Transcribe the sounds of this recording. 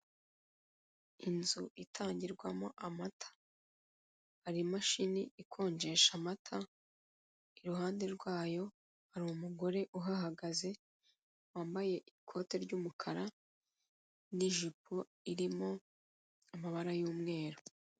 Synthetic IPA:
inzuʔitʰaːɲɟiɾɡwamo̞ʔamatʰḁ | haɾimaʃiniʔikʰo̞ːɲɟe̞ʃamatʰa | iɾuɦaːnde̞ɾɡwaːjo̞ | haɾiumuɡo̞ɾe̞ʔuɦaɦaɡaze̞ | waːmbaje̞ʔikʰo̞ːte̞ɾɟuːmukʰaɾa | niʒipʰo | iɾimo̞ | amaβaɾajuːmŋe̞ːɾo

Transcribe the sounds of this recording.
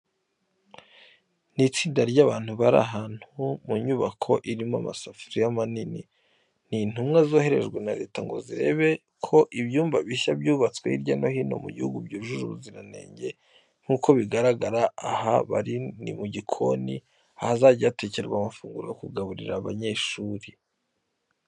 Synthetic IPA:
nit͡siːndaɾɟaβaːn̥huβaɾa̰ɦaːn̥humuɲuβakʰo̞ʔiɾimoa̰masafuɾijamanini | nin̥umŋezo̞ːhe̞ɾe̞̰ʒɡwenaɾe̞ːtaŋɡo̞̰ziɾe̞̰ːβe̞ | kʰo̞ʔiβjuːmbvaβiʃabjuːβat͡sweiɾɟano̞hino̞̰mṵɟihuɡubɟuɾuʒuʒuɾuziɾane̞̰ːɲɟe̞ | ŋ̥huːko̞βiɡaɾaɡaɾaːhaβa̰ɾinḭmuɟikʰo̞̰nḭ | ahazaɟiate̞ːceɾeɡwamafuːŋɡuɾojokuɡaβuɾiɾaβa̰ɲe̞ʃuːɾi

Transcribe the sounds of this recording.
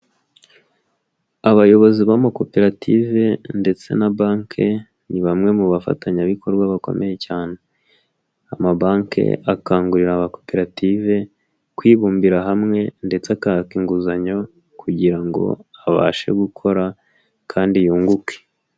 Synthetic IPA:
aβajo̞βo̞ziβamako̞pe̞ɾatḭve̞nde̞t͡se̞̰nabaːŋkʰe | niβamŋe̞muβafa̰taɲaβikʰo̞ɾɡwaβako̞̰mʔe̞je̞caːne̞ | amabaːŋkḛakaːŋɡuɾiɾamako̞pe̞ɾative̞ | kwiːβuːmbiɾaɦamŋe̞nde̞t͡seakakiŋɡuzaɲo̞ | kʰuɟiɾaŋɡo̞̰aβa̰ːʃe̞̰ɡukʰo̞ɾa | kʰaːndijuːŋɡuke̥

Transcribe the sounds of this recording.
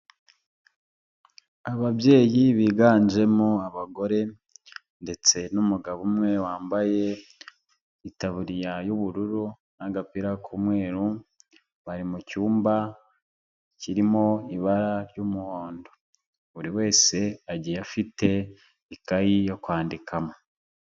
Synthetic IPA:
aβabje̞ːjiβiːɡaːɲd͡ʒe̞moaβaɡo̞ɾe̞ | nde̞t͡se̞numuɡaβumŋe̞waːmbaje̞ | itaβuɾijajuβuɾuɾu | naɡapiɾakʰumŋe̞ːɾu | βaɾimucuːmba | ciɾimo̞iβaɾaɾjumuho̞ːndo̞ | βuɾiwe̞ːse̞aɟijafite̞ | ikajijo̞kwaːndikʰamo

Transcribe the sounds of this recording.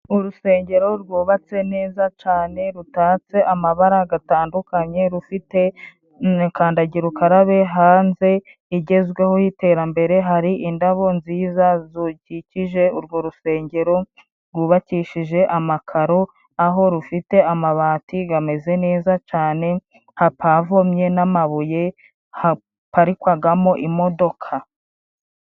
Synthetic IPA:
uɾuse̞ːɲɟe̞ɾo̞ɾɡuːβat͡se̞ne̞ːzat͡ʃaːne̞ɾutaːt͡se̞ʔamaβaɾaɡataːndukaɲe̞ɾufite̞ | kaːndaɟiɾukaɾaβe̞ɦaːnze̞ | iɟe̞zɡwe̞ho̞hite̞ːɾambe̞ɾe̞ɦaɾiʔindaβo̞nziːzazuɟiciʒe̞uɾɡo̞ɾuse̞ːɲɟe̞ɾo̞ | ɾɡuβaciʃiʒe̞ʔamakʰaɾo̞ | aɦo̞ɾufite̞amaβaːtiɡame̞ze̞ne̞ːzat͡ʃaːne̞ | hapʰavomɲe̞namaβuje̞ | ha | paɾikwaɡamo̞ʔimo̞do̞kʰa

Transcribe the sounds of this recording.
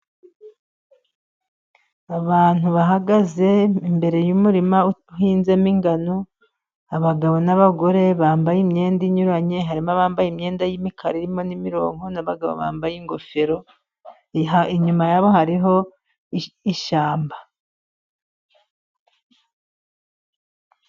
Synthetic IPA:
aβaːn̥huβaɦaɡaze̞imbe̞ɾe̞jumuɾimauɦiːnzemiŋɡano | aβaɡaβo̞naβaɡo̞ɾe̞βaːmbajimɲe̞ːndiɲuɾaɲe̞ɦaɾimaβaːmbajimɲe̞ːndajimikʰaɾiɾimo̞nimiɾo̞̰ːŋo̞naβaɡaβo̰βa̰ːmbajiŋɡo̞fe̞ɾo̞ | iɲumajaβo̞haɾiɦo̞ | iʃaːmba

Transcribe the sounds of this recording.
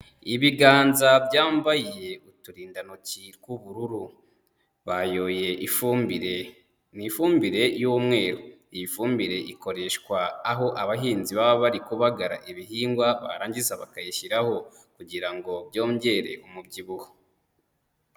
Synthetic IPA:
iβiɡaːnzabɟaːmbajije̞utuɾiːndanociɾɡuβuɾuɾu | βajo̞ːje̞ɾe | nifuːmbiɾe̞juːmŋe̞ːɾoijifuːmbiɾe̞ʔiko̞ɾe̞ʃkwaːɦo̞ʔaβaɦiːnziβaβaβaɾikuβaɡaɾa̰ʔiβiɦiːŋɡwaβa̰ɾaːɲɟizaβakajiçiɾaho̞ | kuɟiɾaŋɡo̞bjo̞ːɲɟe̞ɾe̞̰ʔumubɟiβuho̥

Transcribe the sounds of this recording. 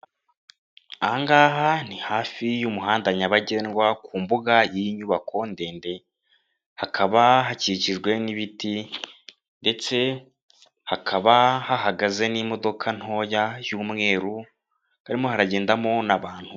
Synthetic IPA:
aŋɡaːɦan̥ihaːfijumuɦaːndaɲaβaɟenɡwakuːmbuɡajiɲuβako̞nde̞ːnde̞ | hakʰaβaɦaciciʒɡwe̞niβiti | nde̞t͡se̞ | hakʰaβahaɦaɡaze̞nimo̞do̞kʰan̥ho̞ːjajuːmŋe̞ːɾu | haɾimo̞haɾaɟeːndamo̞naβaːn̥hu

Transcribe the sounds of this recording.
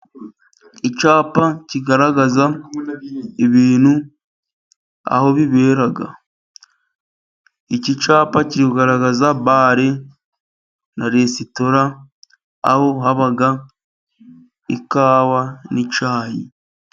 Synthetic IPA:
it͡ʃaːpaciɡaɾaɡaza | eβiːnhu | a̰ho̞βiβe̞ːɾaɡa̰ | icit͡ʃaːpaciɾikuɡaɾaɡazabaːɾe | naɾesito̞ɾa̰ː | ho̞ɦaβaɡa | ikaːβanit͡ʃaːjḭ

